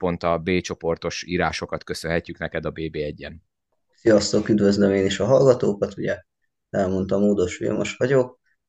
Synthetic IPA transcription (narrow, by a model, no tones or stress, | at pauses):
po̞nt̪ɒbeːt͡ʃo̞po̞rt̪o̞ʃiːɾaːʃo̞kɒt̪køsønɦɛcːyknɛkɛd̪ɒbeːbeːɛɟːɛn | sijɒst̪okyd̪vøzlømeːniʃɒɦɒlɡɒt̪oːkɒt̪uɟɛ | ɛlmo̞nt̪ɒmoːd̪o̞ʃfḭlmo̰ʃʋɒɟok̚